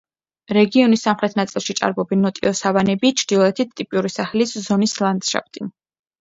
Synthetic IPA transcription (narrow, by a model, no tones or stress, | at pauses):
ɾɛɡiɔnisːamχɾɛt̪ʰnat̪sʼilˠʃitt͡ʃ̪ʼa̰ɾbɔbɛnːɔt̪ʼiɔsavanɛbit͡ʃʰɾd̪ilˠɔɛt̪ʰit̪ʰt̪ʼipʼiuɾisaχɛliszɔnislˠand̪ʃa̰p̚ʰt̪ʼin